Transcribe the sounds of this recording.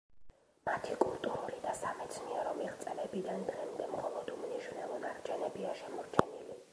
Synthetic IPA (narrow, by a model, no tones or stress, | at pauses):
mat̪ʰikʼulˠt̪ʼuɾuɾid̪asamɛt̪sʰniɛɾɔmiʁt̪sʼɛlɛbid̪and̪ʁɛmd̪ɛmχɔlˠɔd̪umniʃwnɛlˠɔnaɾt͡ʃʰɛnɛbiaʃɛmɔɾt͡ʃʰɛnili